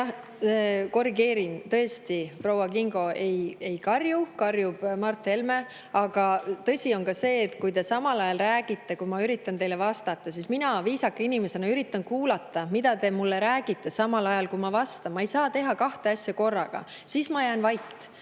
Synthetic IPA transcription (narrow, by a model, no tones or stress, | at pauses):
jɑh | ko̞riɡe̞ːɾint̪ɤ̞est̪iprowɑkiŋɡ̥o̞e̞je̞jkɑrjukɑrjub̥mɑrt̪ːˑe̞lme̞ | ɑɡ̥ɑt̪ɤ̞sʲio̞nkɑse̞ːt̪kujt̪e̞sɑmɑlɑjɑlræːɡ̥it̪ˑːe̞kujmɑyɾit̪ːˑɑnt̪e̞jle̞vɑst̪ɑt̪ːˑɑsisminɑviːsɑkːinime̞se̞nɑyɾit̪ːˑɑnkuːlɑt̪ːˑɑmid̪̥ɑt̪e̞mulːe̞ɾæːɡ̥it̪ˑːe̞sɑmɑlɑjɑlkumɑvɑst̪ɑmːɑejsɑːt̪e̞ɦɑkɑht̪e̞ɑsʲjɑko̞rːɑ̰ɡ̥ɑ̰ | sismɑjæːnvɑjt̪ː